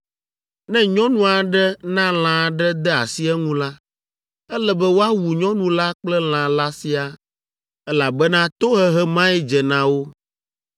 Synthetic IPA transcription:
nɛ̃˦ɲɔ̃˦nũ˦a˨ɖɛ˦nã˦l̃ã˨ɖɛ˦d̪ɛ˦a̰˨si˦ɛ˦ŋũ˦la˦ | ɛ˦lɛ˨bɛ˦wo˦a˦wu˨ɲɔ̃˦nũ˦la˦k͡plɛ˦l̃ã˨la˦si˦a˨ | ɛ˦la˨bɛ˦nã˦t̪o˦ɦɛ˦ɦɛ˦mã˦ɛ˦d͡ʒɛ˨nã˨wo˦

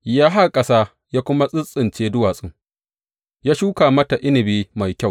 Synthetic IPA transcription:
jaː˦ɦa˦rkʼɐ˦saː˦ | jaː˦kʷʊ˦ma˦sʼɪ˦sʼɪ˨nt͡ʃeː˦dʊ˦waː˨sʼɪ˦ŋ | jaː˦ʃuː˦kaː˨mɐ˦ta˨ʔɪ˦nɪ˨biː˦ma˨jkʲa˦˨w

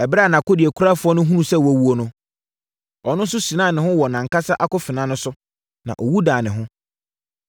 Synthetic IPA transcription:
ɛ˨bɾa˦˨nã˨ko˦di˨e˨kʰu˦ɾa˦fʊ˨˦ɔ˦nʊ̃˦ɦũ˦nũ˦sɛ˦˨wæ˨wu˨˦o˦nʊ̃˦ | ɔ˨nʊ̃˦n˦sʊ˦sĩ˨nãː˦˨nɪ̃˨hʊ̃˦wɔ˨nã˨ŋ˨ka˦sa˦ʔa˦kʊ˦fɪ˨nã˨˦nʊ̃˦sʊ˦ | nã̰˨ʔɔ˨wu˦daː˨nɪ̃˨ɦʊ̃˦

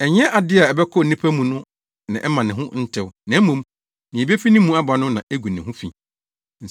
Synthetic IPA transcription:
ɛ˨ɲɛ̃˦ʔa˨dɪ˦a˨ɛ˨bɛ˦kʰɔ˦˨nĩ˦pʰæ˦mũ˨nʊ̃˦ | nã̰˨ʔɛ˦mã˨nɪ̃˨ɦʊ̃˦n̩˦tʰɪ˦wʊ˦nã˨˦mũ˨˦m | nɪ̃˨bi˦e˦fi˦nɪ̃˦mũ˦a˦ba˨nʊ̃˦nã˨ʔe˦ɡu˨nɪ̃˨ɦʊ̃˦fḭ̃˨ | n̩˨

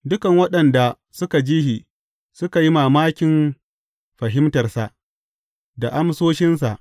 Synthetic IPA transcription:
dʊ˦kɐ˨ŋwɐ˦ɗɐ˨nda˨ | sʊ˦ka˨d͡ʒiː˦hi˨ | sʊ˦ka˨ji˦maː˨maː˦kʲɪ˨m | ɸɐ˨ɦɪ˦mtɐ˨rsa˨ʔ | da˨ʔa˦msoː˦ʃɪ˦nsa˨ʔ

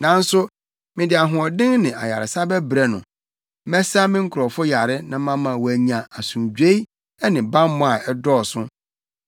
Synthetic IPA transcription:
nã˨n̩˦sʊ˦ | mɪ̃˨dɪ˨a˨ɦʊ̃˨ɔ˨dɪ̃˦ŋnɪ̃˨a̰˨ja̰˨ɾɪ˨sa˦bɛ˦bɾɛ˦nʊ̰̃˨ | mɛ˦sa˦mɪ̃˦ŋ̩˦kʰʊ˨ɾɔ˨fʊ˦ja˨ɾɪ˦nã˦mã˦mã˨wæ˨ɲã˨a˨sũ˨d͡ʑᶣe˦i˦ | ɛ˦nɪ̃˨bã˦mmʊ̃˦a˨ɛ˦dɔː˦˨sʊ̃˦

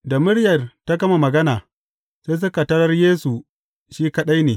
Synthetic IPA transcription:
da˨mʊ˦ɽjɐ˨rta˦ɡɐ˦ma˨mɐ˨ɡɐ˦naː˨ | seː˦js̬ʊ˦ka˨tɐ˦ɽɐ˦rjeː˦su˨ | ʃiː˦kɐ˦ɗa˦jneː˨

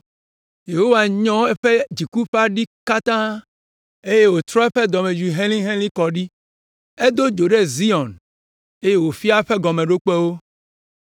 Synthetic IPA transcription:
je˨ɦo˦wa˨ɲɔ̃˦e˦ɸe˦d͡ʑi˨ku˦ɸa˦ɖi˦ka˦t̪ã˦ | e˦je˦wo˨t̪ɾɔ˦e˦ɸe˦d̪ɔ˨mẽ˨d͡ʒi˨ɦẽ˦lĩ˦ɦẽ˦lĩ˦kɔ˨ɖi˦ | e˦d̪o˦d͡ʒo˨ɖe˦zi˦ɔ̃˨n | e˦je˦wo˨fi˦a˦ɸe˦ɡɔ˨mẽ˨ɖo˦k͡pe˦wo˦

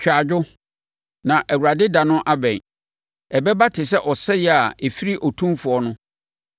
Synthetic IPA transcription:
t͡ɕʰᶣa˨d͡ʑᶣʊ˦ | nã˨ʔæ˨wu˨ɾa˨dɪ˦dã˨nʊ̃˦ʔa˦bɛ̃˨ | ɛ˨bɛ˦ba˦tʰɪ˨sɛ˦ʔɔ˨sɛ˦jɛ˨a˨e˨fi˦ɾi˦ʔɔ˨tʰũ˦mfʊ˨ɔ˦nʊ̃˦

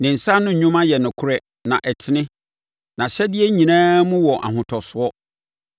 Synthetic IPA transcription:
nɪ̃˨n̩˨sa˦nʊ̃˦˨ɲũ˦mã˦jɛ˨nʊ̃˨kʰʊ˦ɾɛ˦ | nã˨ʔɛ˨tʰɪ˨nɪ̃˦ | nã˨ɕɛ˦dɪ˦ɛ˦ɲĩ˨nãː˦mũ˦wɔ˨ʔa̰˨ɦʊ̃˨tʰɔ˨sʊ˨ɔ˦

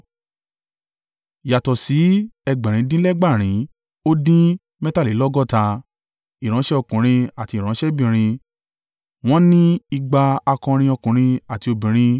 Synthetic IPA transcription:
ja˨tɔ˨si˨˦ɛ˧ɡ͡bɛ˨ɾ̃ĩ˨˦dĩ˦lɛ˦ɡ͡ba˦˨ɾ̃ĩ˨˦ | o˦dĩ˦ | mɛ̃˦ta˦li˨˦lɔ˦ɡɔ˦˨ta˧ | i˨ɾ̃ã˨˦ʃɛ˦ɔ˧kũ˨ɾ̃ĩ˧a˨ti˧˦˨ɾ̃ã˨˦ʃɛ˦bĩ˨ɾ̃ĩ˧ | w̃ɔ̃˦nĩ˦i˧ɡ͡ba˧a˧kɔ̃˧ɾ̃ĩ˧ɔ˧kũ˨ɾ̃ĩ˧a˨ti˧o˧bĩ˨ɾ̃ĩ˧

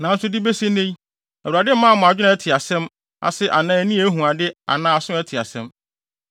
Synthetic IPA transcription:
nã˨n̩˦sʊ˦dɪ˦be˦se˦nẽ˦j | æ˨a˨dɪ˦m̩˦mã˦˨mʊ̃˨a˨d͡ʑᶣɪ˦nã˨ɛ˦tʰɪ˨a˨sɛ̃˦m | a̰˨sɪ˦ʔa̰˨nãː˨˦æ˨nĩ˦æ˦ɦũ˨a˨dɪ˦a̰˨nãː˦a˨sʊ̃˦ɛ˦tʰɪ˨a̰˨sɛ̃˦m

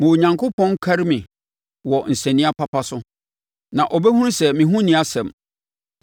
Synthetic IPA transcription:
mʊ̃˨wɲã˨ŋkʰʊ˦pʰɔ̃˦ŋ˦kʰa˦ɾmĩ˨ | wɔ˨n̩˨sɛ̃˨nɪ̃˦a˦pʰa˦pʰa˦sʊ˦ | nã˨ʔɔ˨bɛ˦hũ˦ɾsɛ˨mĩ˨ɦũ˦nɪ̃˨˦a˦sɛ̃˨m

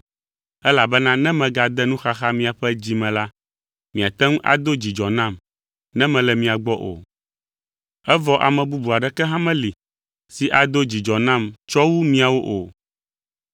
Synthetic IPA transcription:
ɛ˦la˨bɛ˦nã˦nɛ̃˦mɛ̃˨ɡa˨d̪ɛ˦nũ˦xa˦xa˦mĩ˦a˨ɸɛ˦d͡ʑi˦mɛ̃˨la˦ | mĩ˨a˨t̪ɛ˦ŋũ˦ʔa̰˨d̪o˦d͡ʑi˨d͡ʒɔ˨nã˦˨m | nɛ̃˦mɛ̃˨lɛ˨mĩ˦a˨ɡ͡bɔ˦ʔo̰˨ | ɛ˦vɔ˦ʔa˨mɛ̃˨bu˦bu˨a˨ɖɛ˦kɛ˦ɦã˦mɛ̃˦li˨ | si˨ʔa˨d̪o˦d͡ʑi˨d͡ʒɔ˨nã˦˨mt͡ʃɔ˦wu˦mĩ˦a˨wo˦ʔo˨

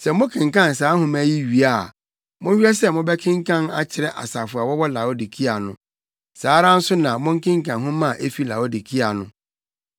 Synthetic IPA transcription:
sɛ˨mʊ̃˦kʰɪ̃˨ŋ˨kã˦n˨s̬aː˨˦ɦʊ̃˦mæ˦ji˦ɥi˨a˨ | mʊ̃˦hᶣɥɛ˦sɛ˦mʊ̃˦bɛ˦kʰɪ̃˦ŋ˦kʰã˦na̰˨t͡ɕʰɪ˨ɾɛ˦ʔa̰˨sa˨fʊ˨a˨wɔ˦wɔ˦la˨o˦di˨kʰi˦a˨nʊ̃˨˦ | saː˨˦ɾã˦n̩˦sʊ˦nã˨mʊ̃˦ŋ̩˦kɪ̃˦ŋ˦kã˨nɦʊ̃˦mã˦˨ʔe˦fi˦la˨o˦di˨kʰi˦a˨nʊ̃˦

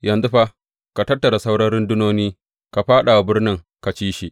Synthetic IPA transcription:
jɐ˨nzu˦ɸa˦ʔ | ka˨tɐ˦tːɐ˨ɾa˨sa˦wɽɐ˦nɾɪ˦ndʊ˦noː˦niː˦ | ka˨ɸaː˦ɗa˨a˨bɪ˦rnɪ˦ŋ | ka˨t͡ʃiː˦ʃi˦˨ʔ

